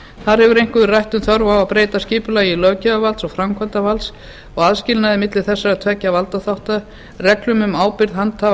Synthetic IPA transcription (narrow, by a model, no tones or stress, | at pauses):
θaɾhɛvʏɾejŋ̥kʏðʏrajht̪ʏnθœɾvawaðpɾeːjt̪asciːpʏlajilœːcɛavalsɔɣfɾamkʰvant̪avals | ɔɣaðscɪlnaðɪmɪt̪lɪθɛsːaɾat̪ʰvɛcːavalt̪aθawht̪a | rɛklʏmʏmaːwpɪɾðɦant̪ʰa